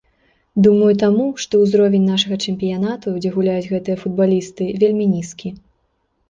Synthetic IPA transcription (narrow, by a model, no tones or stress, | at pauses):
d̪umɐjut̪amuʂt̪ɔwzɾɔvʲenʲnaʂɐɣɐt͡ʂɛmʲpʲijanat̪ud͡zʲɛɣulʲajud͡zʲɣɛt̪ɨjɐfud̪̚balʲist̪ɨvʲelʲmʲinʲiskʲi